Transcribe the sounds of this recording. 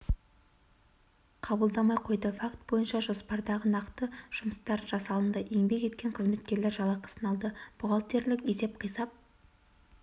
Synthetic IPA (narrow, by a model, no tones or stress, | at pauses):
qʰɑbəlˠd̪ɑmɑjqʰo̞jd̪əfakt̪̚bo̞jənʃɑʒo̞spɑɾd̪ɑʁənɑqt̪əʒ̥ʊməst̪ɑɾʒɑsɑlˠənd̪ɑʔe̞ŋbe̞kʲe̞t̪̚kʲe̞ɴqʰəzme̞t̪kʲe̞ɾle̞ɾʒɑlˠɑqʰə̥sənɑlˠd̪əb̥ʊʁɑlˠt̪e̞ɾlɪkʲe̞se̞p̚qʰijsɑp̚